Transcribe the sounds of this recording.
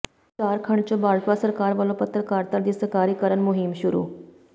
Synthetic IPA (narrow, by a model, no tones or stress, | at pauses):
t͡ɕaɾkʰəɳt͡ɕobaɭʈ̪ʋasəɾkaɾʋəlopət̪ɾəkaɾt̪əɾd̪isəkaɾikəɾənmuɦimɕuɾṵː